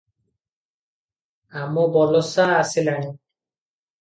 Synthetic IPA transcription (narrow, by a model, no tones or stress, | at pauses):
amobɔlɔsaːsilani